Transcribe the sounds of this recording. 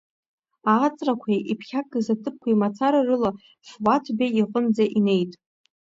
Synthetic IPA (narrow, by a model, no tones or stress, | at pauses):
aːt͡sʼrakʷʰajipʰχʲak̚ʼɡɨzatʰɨp̚kʷʰaimat͡sʰaɾarɨla | fwatʰbʲaiqʼənd͡zaʔine̞jtʼ